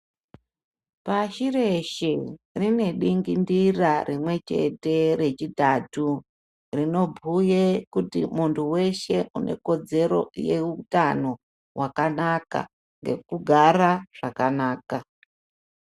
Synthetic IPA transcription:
paʃire̞ʃerine̞ɗiŋɡindirarʔimwe̞t͡ʃe̞̰te̞ɾe̞t͡ʃitatu | rino̞bʱujekutimuntʰuwe̞ʃe̞ʔune̞̰ko̞d͡ze̞ɾo̞̰je̞utano̞ | wakanaka̰ | ŋɡe̞̰kuɡʱaɾaʐ̥akanaːka

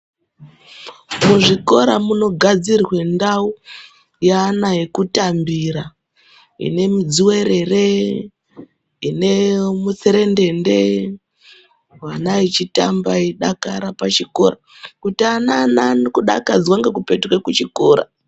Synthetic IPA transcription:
muʐiko̞ɾamuno̞ɡʱad͡zirwe̞ndau | jaːnaje̞kutambiɾa | ḭne̞mid͡ziwe̞ɾe̞re | ine̞mut͡seɾe̞nde̞nde | wanait͡ʃitambaiɗakaɾapat͡ʃiko̞ɾa | kutianananokuɗa̰kad͡zwaŋɡekupe̞tukwekut͡ʃiko̞ːɾa̰

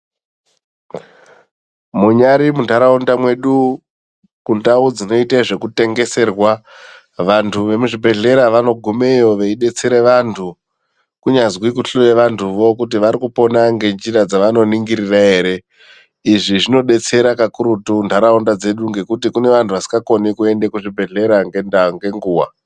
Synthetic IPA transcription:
muɲaɾimuntʰaɾaundamwe̞ɗu | kundaud͡zino̞itaʐe̞kute̞ŋɡe̞se̞rwa | ʋantʰuʋe̞muʐibʱe̞ɮe̞ɾaʋano̞ɡʱume̞jo̞ʋeiɗe̞t͡se̞ɾeʋantʰu | kuɲazwikuɬojeʋantʰuʋo̞kut̬iʋaɾikupo̞naŋɡe̞nd͡ʒirad͡zaʋano̞niŋɡiɾiraɦe̞ːɾe̞ | iʐiʐino̞ɗe̞t͡se̞ɾakakuɾutundʱaɾaundad͡ze̞ɗuŋɡe̞kutikune̞ʋantʰuʋasi̥ŋɡako̞nikue̞ndekuʐibʱe̞ɮe̞ɾaŋɡendaŋɡe̞ŋɡuːwa̰

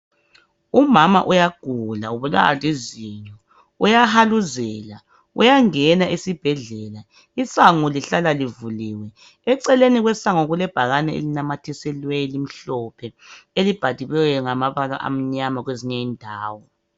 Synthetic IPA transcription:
umama̰ʔujaɡ̥ʱulauβula̰a̰liziɲɔ | ujahaluzɛla | ujaŋɛnaʔisib̥ʱɛɮɛla | isaŋuliɬalalivuliwɛː | ǀɛleniɣwɛsaŋɔɣulɛb̥ʱaɣanɛḛlinamatʰisɛlwelim̩ɬɔpʰɛelib̥ʱad̥ʱiβɛwɛŋamaβala̰ʔa̰m̩ɲamaɣweziɲɛiːndʱaːwɔ

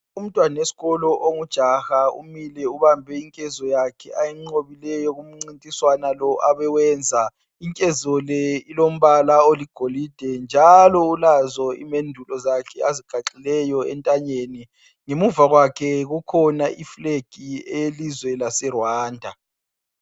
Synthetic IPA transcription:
um̩tʼwanesi̥ɣɔlɔʔoŋud̥ʒ̥ʱaxaṵmilɛuβambʱɛiŋkʼɛzɔjakʰɛajiŋ͡ǀoβilɛjɔɣum̩ŋ͡ǀintʼiswanalɔʔaβɛwɛːnd͡zʱa | iŋkʼɛzɔlɛilom̩βalaoliɡ̥ʱolid̥ʱɛnd͡ʒʱalɔulazɔḭmendʱulɔzakʰɛaziɡ̥ʱaǁilɛjɔɛ̰ntʼaɲeni | ŋemuvaɣwakʰɛɣukʰɔnaʔifleɡ̥ʱiɛjelizwɛlasɛrwaːndʱa

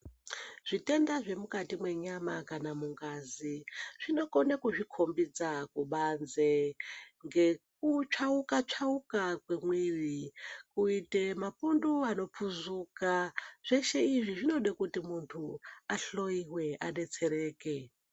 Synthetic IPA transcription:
ʐ̥ʷitendaʐe̞mukatimwe̞ɲamakanamuŋɡaziʐ̥ino̞konekuʐikʰombid͡zakuɓanzeŋɡe̞k̚ut͡ʃʰaukat͡ʂʰaukakwemwiʋikuitemapunduano̞pfuzuːkaʐ̥ʷeʃeiʐiʐino̞ɗekutimuntʰuaɬo̞iwe̞ʔa̰ɗe̞t͡se̞ɾeːke

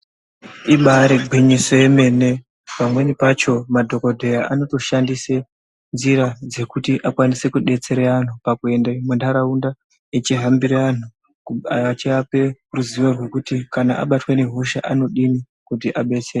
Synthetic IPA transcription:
iɓaɾeɡʱiɲiso̞je̞me̞ne̞ | pamwe̞nipat͡ʃo̞madʱo̞ko̞dʱe̞jaʔano̞to̞ʃandise | nziɾad͡ze̞kutiʔakwanise̞kuɗe̞t͡se̞ɾean̤upakue̞ndamwendaɾaunda | et͡ʃiɦambiɾean̤u | aat͡ʃiape̞ruziʋorwe̞kutikana̰ʔa̰ɓatwe̞ne̞ɦuʃa̰ʔano̞ɗimi | kutiʔaɓe̞t͡sere

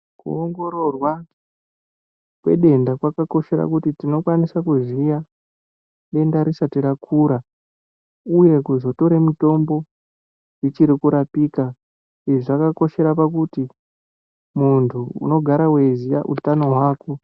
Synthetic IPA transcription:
kṵoŋɡo̞ɾo̞rwa | kwe̞̰ɗe̞ndakwakako̞ʃe̞ɾa̰kutitino̞kwanisakuzija | ɗe̞ndaɾisatirakʰuːɾa | uje̞kuzo̞to̞ɾemito̞mbo̞ | jit͡ʃiɾikuɾapiːka | iʐiʐakako̞ʃe̞ɾapakuti | muntʰuṵno̞ɡʱaɾawe̞zija̰ʔṵtano̞ɦwaːko

